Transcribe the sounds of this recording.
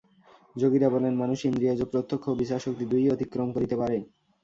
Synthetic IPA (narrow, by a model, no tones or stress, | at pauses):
d͡ʑoɡiɾabɔlenmanuʃind̪ɾijad͡ʑopːɾot̪ʰːokʰːobiʃaʃok̚t̪id̪ujot̪ikːɾomkoɾit̪epaɾe